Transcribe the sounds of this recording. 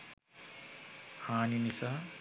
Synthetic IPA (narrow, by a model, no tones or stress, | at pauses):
haːninisa